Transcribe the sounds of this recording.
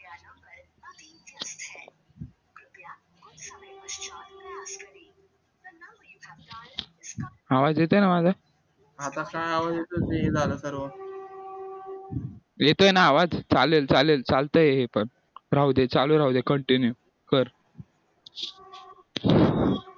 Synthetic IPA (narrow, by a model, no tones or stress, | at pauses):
aʋad͡zjet̪enamad͡zʱa | at̪akajaʋad͡zjet̪ot̪ied͡zaləsəɾʋə | jet̪ojenaːʋad͡zt͡salelt͡salelt͡salt̪əːjeɦepəɳ | ɾaud̪et͡saluɾaɦud̪ekəɳʈinju | kəɾ